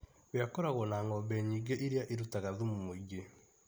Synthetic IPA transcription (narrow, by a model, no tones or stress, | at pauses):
βeakɔɾaɣɔnaːŋɔbɛɲiːɡeʔiɾjaʔeɾutaɣaðumumoiɣe